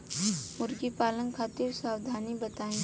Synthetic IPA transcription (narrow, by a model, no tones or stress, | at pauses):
mʊɾɡipaːlə̃ŋkʰaːt̪iɾsaːwd̪ʱaːnibət̪aːẽ